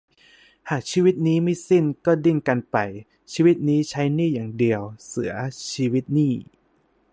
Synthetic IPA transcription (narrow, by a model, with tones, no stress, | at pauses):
haː˨˩k̚t͡ɕʰiː˧wi˦˥t̪̚niː˦˥ma˥˩jsi˥˩nkɔː˥˩di˥˩ŋka˧npa˧j | t͡ɕʰiː˧wi˦˥t̪̚niː˦˥t͡ɕʰa˦˥jniː˥˩jaː˨˩ŋdi˧əwsɯ˩˦ɐt͡ɕʰiː˧wi˦˥t̪̚niː˥˩